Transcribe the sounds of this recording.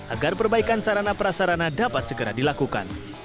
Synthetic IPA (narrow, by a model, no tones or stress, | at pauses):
ʔaɡarpərbaikansaɾanapəɾasaɾanadapat̪̚səɡəɾadilakuka̰n